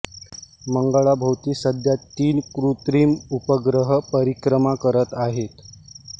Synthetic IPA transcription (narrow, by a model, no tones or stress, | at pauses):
məŋɡaɭabʱəwt̪iːsəd̪jat̪ːiːnkɾut̪ɾiːmupəɡɾəɦəpəɾikɾəmakəɾət̪aɦet̪